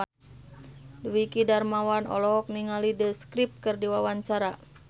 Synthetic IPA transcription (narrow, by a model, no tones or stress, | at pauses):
duwikidarmawanɔ̰lɔk̚niŋalidəskɾip̚kɨrdiwawaɲt͡ʃaɾa